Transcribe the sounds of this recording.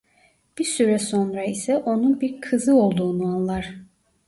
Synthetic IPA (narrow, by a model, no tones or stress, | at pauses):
b̥iɾsyɾɛso̞nɾaisɛʔo̞nunbiɾkʰɯzɯo̞lˠd̪uːnuanlˠaɾ̥